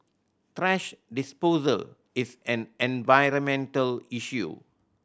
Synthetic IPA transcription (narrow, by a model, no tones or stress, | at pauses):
tɾɛʃɖɪspoːzə̰l | ɪsɛ̃nɛ̃nʋaɪɾə̃mɛ̃nʈəliʃjṵ